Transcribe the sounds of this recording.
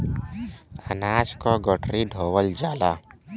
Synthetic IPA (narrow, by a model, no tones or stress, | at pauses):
ə̰naːd͡ʒkɔɡɔʈɾiɖʱoːwəld͡ʒaːla